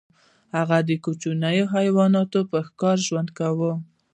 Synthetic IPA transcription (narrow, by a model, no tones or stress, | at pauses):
haɣad̪əkut͡ʃunajoɦajwɑnɑt̪opəxkɑɾʒwand̪kawə